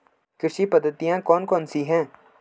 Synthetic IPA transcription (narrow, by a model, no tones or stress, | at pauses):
kɾɪʃipɐd̪ʱːət̪ijãkɔːnkɔːnsiɦɛ̃ː